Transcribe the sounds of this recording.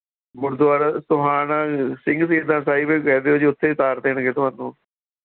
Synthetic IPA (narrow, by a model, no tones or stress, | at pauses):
mʊɾd̪ʊaːɾaːsʊɦaːnãːsɪ̃ŋɡsiːɾd̪ãːsaːibeːkɛːd̪eːoːd͡ʒiʊt̪ʰːeːt̪aːɾd̪eːɳɡeːt̪ʊɦãːnũː